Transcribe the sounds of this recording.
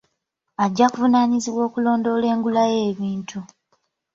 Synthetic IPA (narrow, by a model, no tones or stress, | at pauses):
aɟːakuvunaːɲiziβwo̞ːkulo̞ːndo̞ːle̞ːŋɡulaje̞ːβiːntʰu